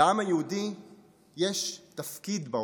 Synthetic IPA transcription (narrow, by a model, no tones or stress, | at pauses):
ʔamajeudi | jeʃt̪ɐfkid̪ba